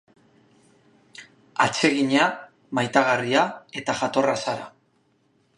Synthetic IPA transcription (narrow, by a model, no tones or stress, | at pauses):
at͡se̞ɣiɲa | majt̪aɣariae̞t̪aʝat̪o̞rasaɾa̰